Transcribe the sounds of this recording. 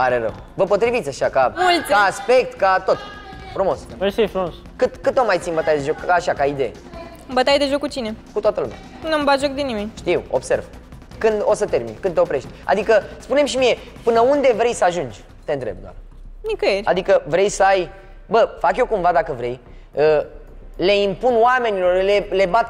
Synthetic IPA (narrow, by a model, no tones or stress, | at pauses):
aɾeɾə̰w | vəpo̞t̪ɾivit̪sʲaʃakamult̪sʲkaːspe̞k̚t̪kat̪o̞t̪ | fɾumo̞sesefɾumos | kɨt̪kɨt̪omajt̪sinmbət̪ajed̪e̞ʒo̞kaʃakaid̪e̞je | ɨmbət̪ajd̪e̞ʒokːut͡ʃine̞kut̪oat̪əlṵmʲa̰ | nuambat̪ʒok̚d̪enimenʲʃt̪iwo̞̰bse̞̰rv | kɨnd̪o̞sət̪e̞rmḭnkɨnd̪eopɾe̞ʃt̪ʲa̰d̪ikəspune̞mʃimije̞ | pɨnəund̪e̞vɾe̞jsəaʒund͡ʒʲ | t̪ent̪ɾe̞b̚d̪wa̰r | nikəjeɾʲad̪ikəvɾejsəaj | bəfakjo̞kumvad̪akəvɾe̞j | ə | le̞impunwame̞nilo̞rlele̞bat̪